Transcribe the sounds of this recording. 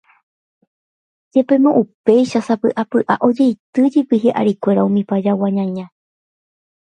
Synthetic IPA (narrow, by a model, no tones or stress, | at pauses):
d͡ʒe̞pe̞mõʔupe̞jʃasapɨʔapɨʔaʔo̞d͡ʒe̞jt̪ɨd͡ʒipiɦeʔa̰ɾikʷe̞ɾaũmĩpad͡ʒawaɲãɲã